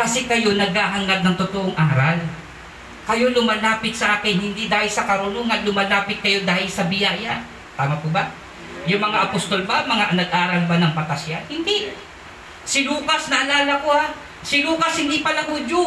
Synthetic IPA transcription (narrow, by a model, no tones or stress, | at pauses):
kɐsɛkɐjo̞nɐɡ̚haːɦɐŋaɡ̚nɐŋt̪ʊt̪oʔoŋʔaːɾal | kɐjo̞lʊmaːlaːpɪt̪̚sɐʔaːkɪnhɪnd̪id̪aːhɪlsɐkɐɾʊnoŋɐnlʊmaːlaːpɪt̪̚kɐjo̞d̪aːhɪlsɐbɪjaːja | t̪aːmakʊba | jʊŋmɐŋaʔɐpost̪o̞lbamɐŋanɐɡʔaːɾɐlbanɐŋpɐt̪ɐsjanhɪnd̪i | sɪluːkɐsnɐʔɐlaːlɐkoha | sɪluːkɐshɪnd̪ipɐlaŋhʊd̪jo